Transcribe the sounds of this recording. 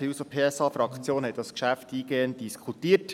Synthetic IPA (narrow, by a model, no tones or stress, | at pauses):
iusopʰeːɛsɑːfɾɑkχt͡sjoːnhɛt̪̚dɑskʃæftiːɡeːənt̚diskʰutiːət